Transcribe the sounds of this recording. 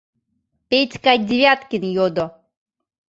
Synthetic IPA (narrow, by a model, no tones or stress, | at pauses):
pʲetʲkadʲɪvʲjat̪kʲinjod̪ɔ